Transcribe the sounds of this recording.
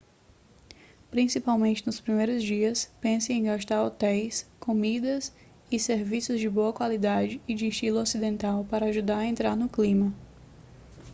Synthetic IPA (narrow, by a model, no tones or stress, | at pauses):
pɾĩsipawmẽnt͡ʃɪnʊspɾimejɾʊzd͡ʒiɐspẽsɪẽj̃ɡaʃt̪aɾot̪ɛjskomid̪ɐs | ɪseɾvisʊzd͡ʒɪboɐkwalid̪ad͡ʒɪːd͡ʒɪːʃt͡ʃilʊɔsid̪ẽnt̪awpaɾɐaʒud̪aɾɐẽnt̪ɾaɾnʊklĩmɐ